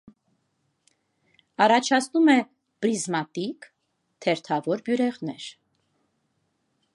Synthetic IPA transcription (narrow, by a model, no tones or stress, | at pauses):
ɑrɑt͡ʃʰɑt͡sʰnumɛ | b̥ɾizmɑt̪ik | t̪ʰɛɾt̪ʰɑvɔɾbjuɾɛʁnɛɾ